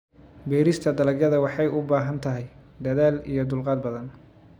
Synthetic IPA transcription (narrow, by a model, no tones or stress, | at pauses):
bɛːɾɪst̪ʰɐd̪ɐlɐɡjɐðɐwɑħɑjʊbaːɦɐnt̪ʰɐɦɛjd̪ɐðaːlḭjɞd̪ʊlqɑːd̪̚bɐðɐn